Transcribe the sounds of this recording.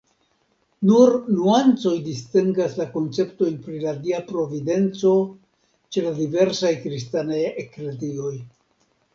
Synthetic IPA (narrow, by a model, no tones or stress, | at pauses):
nuɾnuant͡so̞jdistiŋɡaslako̞nt͡se̞pto̞jnpɾiladiapɾo̞vide̞nt͡so̞ | t͡ʃe̞ladive̞ɾsajkɾistanajekledio̞j